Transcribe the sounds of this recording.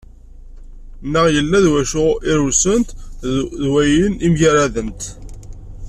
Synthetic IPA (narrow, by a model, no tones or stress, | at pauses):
nːəʁjəlːæðwæʃʊʁɪɾusənt̪ðwæjinimʝəɾæðənt̪